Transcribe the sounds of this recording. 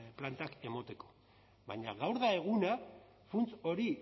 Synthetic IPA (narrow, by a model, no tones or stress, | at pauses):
plant̪ake̞mo̞t̪e̞ko̞̥ | βaɲaɣawɾðae̞ɣ̞una | funt͡so̞ɾi